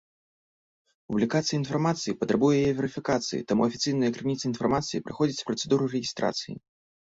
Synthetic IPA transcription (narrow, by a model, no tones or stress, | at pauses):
publʲikat̪sɨjɐinfarmat̪sɨjipɐt̪ɾabujɛjɛvʲɛɾɨfʲikat̪sɨjḭt̪amuɐfʲit̪sɨjnɨjɐkɾɨnʲit̪sɨinfɐrmat̪sɨjipɾɨxɔd͡zʲit͡sʲpɾɐt̪sɛd̪uɾurɛɣʲist̪ɾa̰t̪sɨjḭ